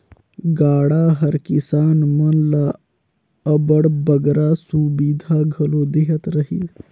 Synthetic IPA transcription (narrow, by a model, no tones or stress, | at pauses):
ɡaːɽaɦɐɾkɪsaːnmɐnla | əbəɽbəɡɾasubiːd̪ʱaɡʱɐloːd̪eɦət̪ɾəɦi